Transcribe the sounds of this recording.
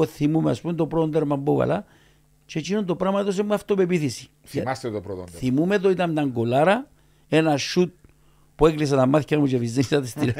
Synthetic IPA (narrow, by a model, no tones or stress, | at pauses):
oθimumeɐ̰spumet̪opɾot̪ond̪eɾmɐmbovɐ̰lɐ | t͡ʃet͡ʃinund̪o̞pɾɐmɐt̪os̬emːuɐft̪opepiθisi̥ | ɐst̪et̪opɾot̪o̰θimumet̪oit̪ɐmt̪ɐŋɡolɐɾɐ | e̞nɐʃːut̪̚ | pueklis̬ɐt̪ɐmːɐθçɐmut͡ʃefiznenisɐt̪ist̪iɾ